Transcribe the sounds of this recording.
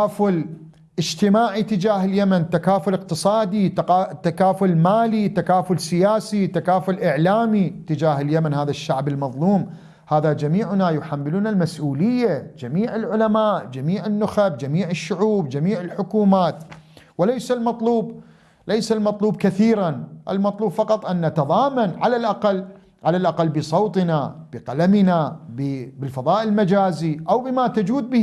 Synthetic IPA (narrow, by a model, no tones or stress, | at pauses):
aːfʊl | ʔɪd͡ʒt̪ɪmaːʕit̪ɪd͡ʒaːɦɪljamant̪akaːfʊlɪq̚t̪ɨsˤɑːd̪it̪ːakaːfʊlmaːlit̪akaːfʊlsɪjaːsit̪akaːfʊlʔɪʕlaːmit̪ɪd͡ʒaːɦɪljamanhaːðaʃːaʕbɪlmɑðˤluːm | haːðad͡ʒamiːʕʊnajʊħamːɪluːnalmasʔuːlɪjːad͡ʒamiːʕɪlʕʊlamaːʔd͡ʒamiːʕɪnːʊxabd͡ʒamiːʕɪʃːʊʕuːbd͡ʒamiːʕɪlħʊkuːmaːt̪ | wɪlajsalmɑt̪ˤluːb | lajsalmɑt̪ˤluːb̚kaθiːɾanʔɪ̰lmɑt̪ˤluːbfɑqɑt̪ˤʔanːat̪ɑðˤɑːmanʕalalʔaqalː | ʕalalʔaqalːbɨsˤowt̪ˤɨnab̥ɪqalamɪnabbɪlfɑðˤɑːʔɪlmad͡ʒaːziʔawbɪmat̪ad͡ʒuːd̪̚bɪ